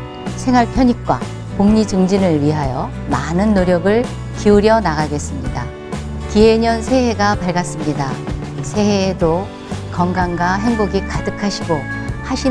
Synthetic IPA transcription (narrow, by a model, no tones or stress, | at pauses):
sʰe̞ŋɦaɭpʰjʌɲik̚k͈wa̰ | poŋɲid͡ʑɯŋd͡ʑinɯɭɥiɦajʌ | manɯnːoɾjʌɡɯɭ | kiuɾjʌnaɡaɡe̞s͈ɯmɲida | kiɦeɲʌnsʰe̞ɦe̞ɡapaɭɡas͈ɯmɲida | sʰe̞ɦedo | kʌŋɡaŋɡaɦe̞ŋboɡikadɯkʰaɕʰiɡohaɕʰi